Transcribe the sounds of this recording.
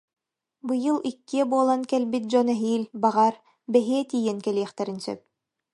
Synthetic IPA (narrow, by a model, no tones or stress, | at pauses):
bɯjɯlˠikːiɛbuɔlˠankɛlbit̪̚d͡ʑɔnɛɦiːlbaʁaɾ | bɛɦiɛt̪iːjɛnkɛliɛχt̪ɛɾinsœ̰p̚